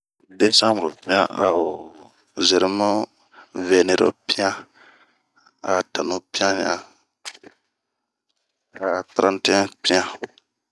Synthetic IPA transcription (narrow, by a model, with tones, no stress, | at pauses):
de˦sã˦mbɾo˨pĩ˦ã˦a˨o˨ | ze˨ɾma˦ | ve˨ne˨ɾo̰˨pi˦ã˦ | a˨ta˨nu˦pĩ˦ã˦ɲã˨ | a˨t̪ɾã˦nti˦ɛ̃˦pi˦ã˦